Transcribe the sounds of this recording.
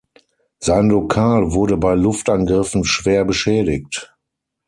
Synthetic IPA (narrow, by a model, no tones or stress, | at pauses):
z̥aɪnlokʰaːlvʊɐɾəbaɪlʊftʔanɡʁɪfn̩ʃv̥eːɐbəʃɛːdɪk̚t